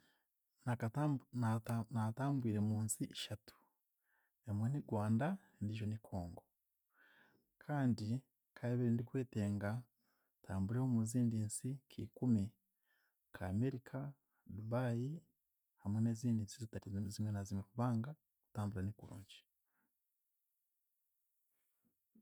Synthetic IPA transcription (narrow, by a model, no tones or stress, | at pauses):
nak | nataːmbwiːɾe̞muːnsiʔeʃatu̥ | emweniɡwaːnda | ndiʒo̞nikʰoːŋɡo̞ | kʰaːndi | kʰajeβeɾendikwe̞ːte̞ːŋɡa | tʰaːmbuɾehomuziːndiːnsikʰḭːkumi | kʰaːme̞ɾikʰa | duβaːji | hamwene̞ːziːndiːnsizitatizimwenazimekuβaːŋɡa | ku̥taːmbuɾanikuɾṵːɲɟi̥